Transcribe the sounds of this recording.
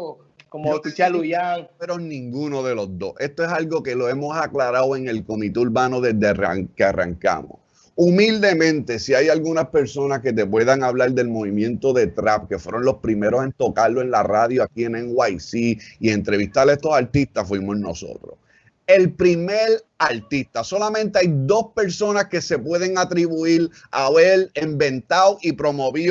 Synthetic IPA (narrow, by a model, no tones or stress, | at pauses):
komoit͡ʃalujaŋeɾonĩŋɡuno̞ðe̞lo̞zd̪o̞se̞st̪oesalɡo̞ke̞lo̞e̞mo̞saklaɾawe̞ŋe̞lko̞mit̪euɾβanoðe̞zd̪eara̰ŋkeara̰ŋka̰mo̰s | umild̪e̞mẽ̞nt̪e̞siajalɣunaspe̞ɾso̞naske̞t̪̬e̞p̬we̞ðaŋaβlaɾd̪e̞lmo̞βimjẽ̞nt̪o̞ðe̞t̪ɾap̚ke̞fwe̞ɾõ̞nlo̞spɾime̞ɾose̞nt̪o̞kalːoe̞nlaraðjoakieneŋwajsiie̞nt̪ɾe̞βist̪ale̞st̪o̞saɾt̪ist̪asfwimo̞no̞̰so̞̰t̪ɾo̰s | e̞lpɾime̞ɾaɾt̪ist̪aso̞lamẽnt̪eajd̪o̞spe̞ɾso̞naske̞se̞pwe̞ðe̞ŋat̪ɾiβuil | aβe̞lembẽ̞nt̪awʔipɾo̞moβi